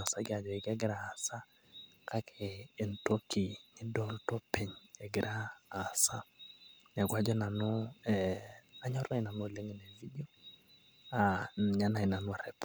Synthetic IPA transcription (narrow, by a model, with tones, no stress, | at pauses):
a˨sa˦ɡɪ˦a˨d͡ʒɔ˨ɛ˨ɡɛ˦ɡɪ˦ɾaː˨sa˦ | kʰa˦kʰɛː˨n̩˨to˦ki˨ɲɪ˦dɔ˦ltɔ˦pʰe˨ɲɛ˨ɡɪ˨ɾʔaː˦˨sa˦nɛ˨ɡwa˦d͡ʒɔ˦na˨nɔ˦ɛa˦ɲɔ˦ɾa˦i˦na˨no˦˨le˦ŋe˨nɛ˨vi˦di˦o˦ | a˨n˨ɲa˦na˨ɪ˨na˨nwa˨ɾɛ˨p